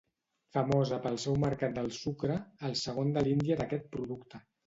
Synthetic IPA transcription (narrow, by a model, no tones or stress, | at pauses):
fəmozəpəlˠsɛwməɾkat̪̚d̪əlˠsukɾəːlˠsəɣ̞ond̪əlind̪iəðəkɛt̪̚pɾuðukt̪ə